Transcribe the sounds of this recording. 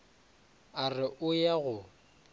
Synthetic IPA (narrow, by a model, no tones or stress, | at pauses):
arɪʔʊjaɣʊ